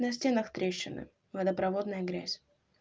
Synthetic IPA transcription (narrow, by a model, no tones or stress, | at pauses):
nɐsʲtʲe̞nəxt̪ɾʲeɕːɪnɨ̰ | vɐd̪əpɾɐvo̞d̪nəjəɡɾʲæ̰sʲ